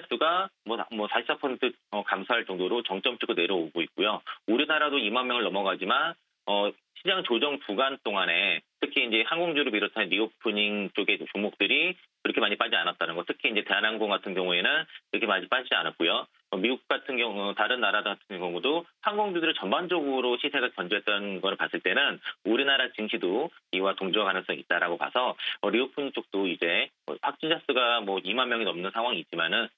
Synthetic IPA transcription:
s͈uɡamwʌmwʌsʰai̥sʰapʰʌsʰentʰɯ | ʌkamsʰaɭt͡ɕʌŋdoɾot͡ɕʌŋt͡ɕ͈ʌmt͡ɕ͈ɯɡʰɯne̞ɾjʌoɡoik̚k͈ojouɾinaɾadoimanmjʌŋɯɭnʌmʌɡad͡ʑiman | ʌ | ɕʰid͡ʑaŋt͡ɕod͡ʑʌŋpuɡant͈oŋane̞tʰɯkʰiːnd͡ʑe̞hanɡoŋd͡ʑuɾoɭmiɾotʰanenmiɡuk̚p͈uɲiŋt͡ɕ͈oɡe̞t͡ɕumok̚t͈ɯɾi | kiɾʌkʰe̞maɲip͈ad͡ʑianat͈̚anɯnɡʌtʰɯ̥kʰiiːnd͡ʑe̞te̞ɦanɦanɡoŋɡatʰɯnɡjʌŋue̞nɯnkiɾʌkʰe̞maɲip͈ad͡ʑia̰nat̚k͈ojo | ʌmiɡuk̚k͈atʰɯnɡjʌŋʌtaɾɯnːaɾadɡatʰɯnjʌŋudohaŋɡʌŋd͡ʑudɯɾɯɭt͡ɕʌnband͡ʑʌɡɯɾoɕʰisʰe̞ɡakjʌnd͡ʑuɦe̞t͈̚ʌnɡʌɾɯɭpas͈ɯɭt͈e̞nɯnuɾinaɾat͡ɕɯŋɕʰidoiwatoŋd͡ʑuwakanɯŋs͈ʌŋit̚t͈aɾaɡopa̰sʰʌʌɾiok̚pʰuɲiŋt͡ɕ͈ok̚t͈oid͡ʑe̞ | ʌ̰ɸwak̚t͡ɕ͈ind͡ʑʰas͈ɯɡamwʌimanmjʌŋinʌmnɯnsʰaŋwaŋiːt̚t͡ɕ͈imanɯn

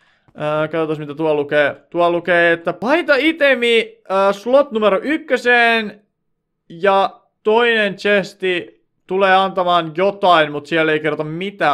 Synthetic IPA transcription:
əːkɑðot̪ɑsmit̪æt̪uɑlukeːt̪uɑlukeːet̪ːæpɑit̪ɑit̪emiəːslot̪numeɾoʔykːøseːn | jɑ | t̪oinent͡ʃest̪i | t̪uleːɑnt̪ɑmɑːnjot̪ɑinmut̪siælːeikerot̪ɑmmit̪æː

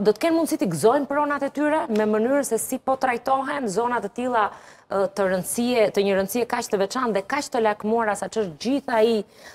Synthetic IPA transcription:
d̪ɔt̪ə̥kɛnmund̪sit̪iɡzɔjnpəɾɔnat̪ɛt̪yɾɛmɛmənyɾsɛsipɔt̪ɾajt̪ɔɦɛnzɔnat̪ɛt̪ilˠa | ət̪əɾənsiɛt̪əɲəɾənsiɛkat͡ʃt̪əvɛt͡ʃanðɛkat͡ʃt̪əlakmuaɾasat͡ʃəʃt̪d͡ʑiθai

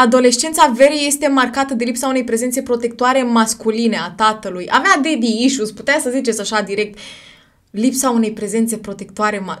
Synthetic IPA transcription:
ad̪o̞le̞ʃt͡ʃe̞nt̪save̞ɾije̞st̪e̞markat̪əd̪elipsaune̞jpɾe̞ze̞nt̪se̞pɾo̞t̪e̞k̚t̪oaɾe̞maskuline̞at̪at̪əlujavead̪eb̪iiʃusput̪easəzit͡ʃe̞t̪saʃad̪iɾek̚t̪ | lipsaune̞jpɾe̞ze̞nt̪se̞pɾo̞t̪e̞k̚t̪oaɾe̞ma

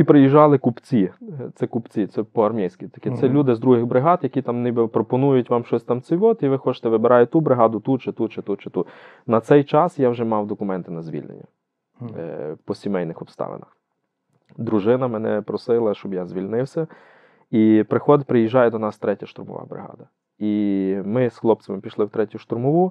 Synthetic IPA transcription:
ipɾɪjiʒːɑlˠɪkupt͡sʲit̪sɛkupt͡sʲitsɛpɔɐrmʲijsʲkʲɪt̪ɐ̥kɪt̪sɛlʲud̪ɪzd̪ɾuɦɪɣbɾɪɦɑd̪jɐkʲit̪ɑmnɪbɛpɾɔpɔnujʊtʲʋɑmʃɔsʲt̪ɑmsɪʋɔt̪iʋɪxɔt͡ʃɪ̥t̪ɛʋɪbeɾʔɑjʊt̪ubɾɪɦɑd̪ʊt̪ut͡ʃɪt̪ut͡ʃɪt̪ut͡ʃɪt̪u | nɐt̪sɛjt͡ʃɑsjawʒɛmɑwd̪ɔkʊmɛnt̪ɪnɐzʲʋʲḭlʲnḛnʲːɐ | pɔsʲimɛjnɪxɔpst̪ɑ̰ʋḛnɐx | d̪ɾuʒɪnɐmɛnɛpɾɔsɪlˠɐʃt͡ʃɔbjazʲʋʲilʲnɪwsʲɐ | ipɾɪxɔd̪pɾɪjiʒːɑjɛd̪ɔnɑst̪ɾɛtʲɐʃt̪ʊɾmɔ̰ʋɑ̰bɾɪ̰ɦɑ̰d̪ɐ | imɪsxlˠɔp̪̚sɐmɪpʲiʃlˠɪwt̪ɾɛtʲʊʃt̪ʊɾmɔʋu

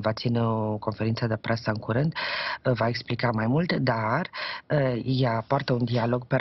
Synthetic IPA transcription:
vat̪sineoko̞nfe̞ɾint̪səd̪epɾesəɨŋkuɾɨnd̪vaeksplikamajmult̪d̪ar | japoart̪əund̪ialo̞ɡ̚pe

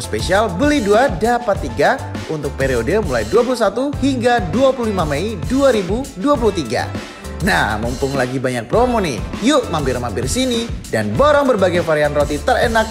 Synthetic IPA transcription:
spesialbəliduadapat̪ːiɡa | unt̪ʊk̚peɾiodəmulajduap̬ulusat̪uhiŋɡaduapuluhlimameiduaɾibuduap̬uluht̪iɡa̰ | nahmumpʊŋlaɡibaɲak̚pɾomonḭjuʔmambɪrmambɪrsinidanboɾɔŋbərbaɡajfaɾianrot̪it̪ərenak̚

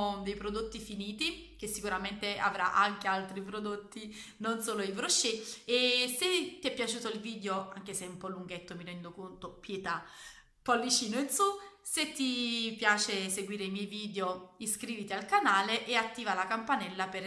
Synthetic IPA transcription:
d̪ejpɾod̪ot̪ːifiniːt̪i | k̟esːikuɾament̪ea̰vɾa̰ʔaŋk̟ealt̪ɾipɾod̪ot̪ːi | nonsoːloivɾoʃːeeset̪ːiɛpːjat͡ʃuːt̪oilviːd̪eoaŋk̟eseɛumpɔlːuŋɡet̪ːomiɾɛnd̪okont̪opjet̪a | pːɔlvit͡ʃiːnoinsu | set̪ːipjaːt͡ʃeseɡwiːɾeimjɛjviːd̪eoiskɾiːvit̪ialkanaːleʔeat̪ːiːvalakampanɛlːaper

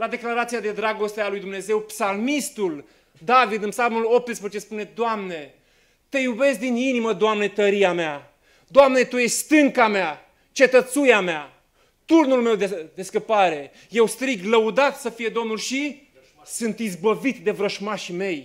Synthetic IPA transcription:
lad̪e̞klaɾat̪sijad̪e̞d̪ɾaɡo̞st̪ealujd̪umneze̞wpsalmist̪ul | d̪avid̪ɨnpsalmulo̞p̚t̪ɨspɾezet͡ʃe̞spune̞d̪oamne̞ | t̪e̞jube̞sd̪ininiməd̪oamne̞t̪əɾiamea | d̪oamne̞t̪ujeʃʲst̪ɨŋkamea | t͡ʃe̞t̪ət̪sujamea | t̪urnulmewd̪ed̪e̞skəpaɾe̞ | je̞wst̪ɾiɡləud̪at̪səfije̞d̪o̞mnulʃi | sɨnt̪izbəvit̪d̪e̞vɾəʃmaʃme̞j

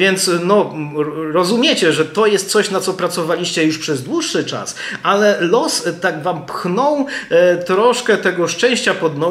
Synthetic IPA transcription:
jɛnt̪snɔ | ɾɔzumʲjet͡ɕɛʐɛt̪ɔjɛst̪̚t̪sɔɕnat̪sɔpɾat̪sɔvalʲiɕt͡ɕɛjuʂpʂɛzd̪wuʂːɘt͡ʂa̰sʔalɛlɔst̪aɡvampxnɔwt̪ɾɔʂkɛt̪ɛɡɔʂt͡ʂɛ̃w̃ɕt͡ɕapɔd̪nɔ

